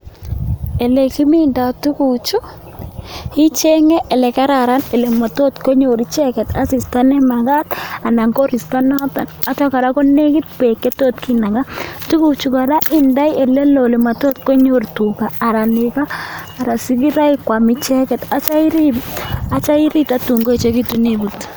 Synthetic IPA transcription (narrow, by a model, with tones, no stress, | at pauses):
ɛ˨lɛ˨ki˦mi˦nda˨tu˦ku˨t͡ʃu˦ | hi˦t͡ʃɛ˦ŋɛ˦ʔɛ˨lɛ˨ka˦ɾa˨ɾa˦nɛ˨lɛ˨ma˨to˦tko˦ɲo˨ɾi˦t͡ʃɛ˦kɛ˨ta˦si˨sta˦nɛ˦ma˨ɡa˦ta˨na˨ŋko˦ɾi˨sta˦nɔ˦ta˨na˨˦t͡ʃɔ˦ka˨ɾa˦kɔ˦ne˦kɪ˦t̪̚pɛ˨kːɛ˦to˦tkina˨ŋɡa˦tu˦kut͡ʃu˨ka˨ɾa˦ʔɪ˦nda˦jɛ˨lɛ˦lɔ˨le˨ma˨to˦t̚ko˦ɲo˨rtu˨kaː˨ɾa˨nɪkaː˦˨ɾa˨si˦ki˦ɾa˦ɪ˦kwa˨mi˦t͡ʃɛ˦kɛ˨ta˨t͡ʃa˦i˦ɾi˦a˦t͡ʃa˦i˦ɾi˦ta˦tu˨ŋɡo˦e˨t͡ʃe˦ki˦tu˨nibut